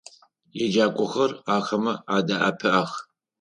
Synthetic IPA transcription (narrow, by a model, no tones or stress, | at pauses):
jɛd͡ʒaːkʷʼɔxɐraːxɐmɐaːdaːʔɐ̰pʰɨʔaːx